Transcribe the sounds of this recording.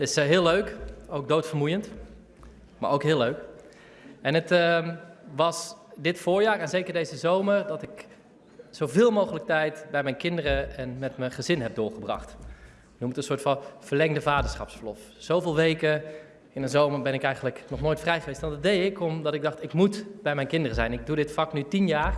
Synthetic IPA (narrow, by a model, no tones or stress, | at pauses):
tɪsɦɪːlˠøɥkowk̚doːtfərmujənt | ma̰ɹowkɦɪːlˠløːɥk | ɛnət | ʋɑsdɪtfʊːɹjaːɹɛnzejkəɹdejzəzowmərdɔtɪk | z̥owvɪːlˠmowχələk̚tɛjtbɛjmɛjnkɪndərəɛnmɛtməχəzɪnɦɛp̚dʊːɹχəbrɑ̰χt | numətənsʊːɹtfɑnv̥əɹlɛŋdəvaːdəɹsχɑ̰psfəɹlɔf | z̥owvɪːlˠʋejkə | ɪnənzowməɹbɛnɪkɛjχənləknɔχnoːjtfrɛjχəʋejstʋɑndɑdejɪkɔmdɑtɪɡ̚dɑχtɪkmutbɛjmɛjnkɪndərəzɛjnɪɡ̚dudɪtfɑknytinjaːr